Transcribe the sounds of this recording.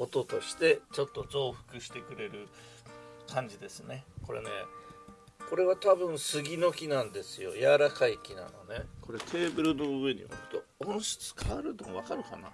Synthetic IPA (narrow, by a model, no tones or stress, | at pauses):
o̞t̪o̞t̪o̞ɕi̥t̪e̞t͡ɕo̞t̪ːo̞zo̞ːɸɯ̥kɯ̟ɕi̥t̪e̞kɯ̟ɾe̞ɾɯ̟ | kʰãɲ̟d͡ʑid̪e̞sɨne̞ko̞ɾʔe̞̰ne̞̰ | ko̞ɾe̞β̞at̪abɯ̟̃ɰ̃sɨɡʲino̞kʲinãnd̪e̞sɨjo̞̰jaɾakaikʲina̰no̞ne̞kʰo̞ɾe̞t̪ʰe̞ːbɯ̟ɾɯ̟no̞ɯe̞ɲḭa̰kɯ̟̥t̪o̞ | õɰ̃ɕi̥t͡sɨ̥kʰaɾɯ̟t̪omβ̞akaɾɯ̟kana̰